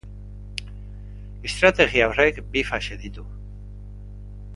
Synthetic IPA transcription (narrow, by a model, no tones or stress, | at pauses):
est̪ɾat̪eɣiaorekbifaʃeðit̪u